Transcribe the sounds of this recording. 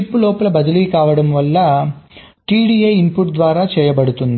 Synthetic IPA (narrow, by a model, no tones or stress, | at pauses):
ipːulɔːpɐlɐbɐd̪ɐliːkaːʋɐɽɐmʋɐlːɐ | ʈiːɽiejimpuʈd̪ʋaːɾaːt͡ʃɛːjɐbɐɽut̪und̪i